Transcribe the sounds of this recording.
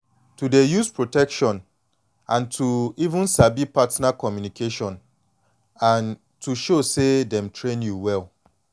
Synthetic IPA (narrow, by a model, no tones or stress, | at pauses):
tʰudejuspʰɹotɛkʃɔ̃n | ãntʰuivũnsabipʰatnakʰɔmjũnikʰeʃɔ̃n | ãn | tʰuʃosedɛ̃mtʰɹẽnjuwɛl